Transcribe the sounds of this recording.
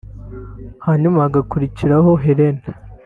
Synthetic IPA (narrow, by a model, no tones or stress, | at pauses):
haɲumaːɡakuɾiciɾaɦo̞ɦeɾen